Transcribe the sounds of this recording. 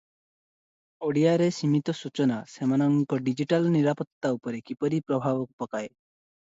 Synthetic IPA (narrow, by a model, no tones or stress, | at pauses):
oɽijaɾesimit̪ɔsut͡ʃɔnasemanɔŋkɔɖid͡ʑiʈalniɾapɔt̪ːaupɔɾekipɔɾipɾɔbʱaʋɔk̚pɔkae